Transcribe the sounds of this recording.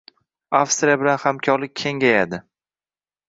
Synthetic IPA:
afst̪ɾʲijabɪlanhamkʲʰɒɾlɪk̚ʲʰe̞ŋɡʲajad̪ɪ

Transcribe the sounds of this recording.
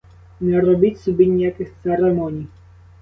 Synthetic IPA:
nɛɾɔbʲitʲsɔbʲinʲijakɪxt̪sɛɾɛmɔnʲij

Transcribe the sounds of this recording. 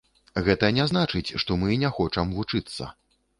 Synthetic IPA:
ɣɛt̪ɐnʲaznat͡ʂɨt͡sʲʂt̪ɔmɨnʲɛxɔt͡ʂɐmvut͡ʂɨt̪sːɐ̰

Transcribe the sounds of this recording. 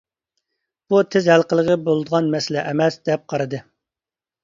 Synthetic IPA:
b̥ut̪ʰɪzhælqəlˠəʁəbolˠɨd̪əʁɑnmɛsɪlɛʔɛmɛsd̪̥ɛp̚qʰɑɾɨd̪ɨ

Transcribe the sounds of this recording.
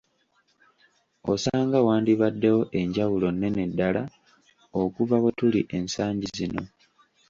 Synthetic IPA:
o̰saːŋɡawaːndiβadːe̞wo̞ʔe̞ɲɟawulo̞nːe̞ne̞dːala | okuvawotuliʔe̞nsaːɲɟizino̞̰

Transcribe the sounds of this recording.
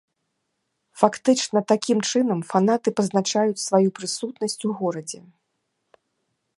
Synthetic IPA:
fakt̪ɨt͡ʂnɐt̪akʲimt͡ʂɨnɐmfan̪at̪ɨpɐznat͡ʂajut͡sʲsvajupɾɨsut̪nɐsʲt͡sʲuɣɔɾɐd͡zʲɛ

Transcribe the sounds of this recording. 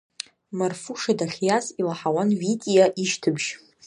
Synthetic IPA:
marfuʂadaχʲjazilaħawanɥitʼijaʔiʃtʰɨbʒ

